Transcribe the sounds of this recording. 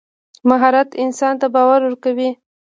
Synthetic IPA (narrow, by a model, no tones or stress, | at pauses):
maɦɑɾat̪ɪnsɑnt̪abɑwaɾwəɾkawi